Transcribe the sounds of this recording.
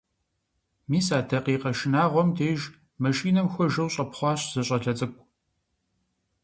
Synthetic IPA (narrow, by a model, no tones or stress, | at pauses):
miːsaːtʰɐqiːqɐʃɪnaːʁʷɔmtʰeːʒ | mɐʃiːnɐmxʷɔʒɐwɕʼɐpχʷɑːɕz̥ɐɕʼɐɮɐt͡sʼɨkʷʼ